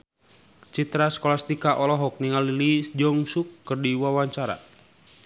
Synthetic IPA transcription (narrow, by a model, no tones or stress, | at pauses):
t͡ʃit̪ɾaskɔlast̪ikaʔɔlɔɦɔk̚niŋalilid͡ʒɔŋsukːərdiwawaɲt͡ʃaɾa̰